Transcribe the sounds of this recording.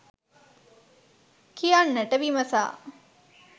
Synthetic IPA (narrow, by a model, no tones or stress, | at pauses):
kijanːəʈəʋimɐsa̰ː